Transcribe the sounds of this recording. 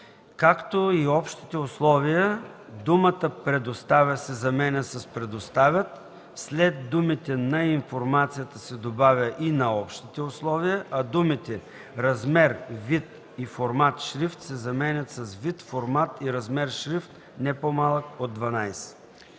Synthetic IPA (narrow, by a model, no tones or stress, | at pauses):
kakt̪oiɔpʃt̪i̥t̪ɛʊslˠɔvijə | d̪umət̪əpɾɛd̪ost̪avʲɐsɛzɐmɛnʲɛsɐspɾɛd̪ost̪avʲət̪ | slɛd̪d̪umit̪ɛnɐiɱfoɾmat̪sijət̪əsɛd̪obavʲəʔinɐɔpʃt̪it̪ɛʊslˠɔvijəʔɐd̪umit̪ɛ | ɾɐzmɛɾvit̪ | ifoɾmat̪ʃɾift̪sɛzɐmɛnʲɐt̪sɐsvit̪foɾmat̪iɾɐzmɛɾʃɾift̪ | nɛpomalˠəkod̪ːvɐnajsɛ̥